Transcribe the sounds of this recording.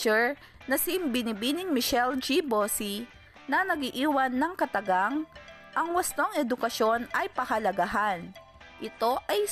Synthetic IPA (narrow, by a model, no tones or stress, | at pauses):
ɛɹ | nɐsibɪnibinɪŋmɪʃɛld͡ʒibosi | nɐnɐɡiʔiːwɐnːɐŋkɐt̪ɐɡaŋ | ʔɐŋwɐst̪oŋɛd̪ʊkɐʃo̞nɐjpɐhɐlɐɡaɦan | ʔɪt̪o̞ʔɐj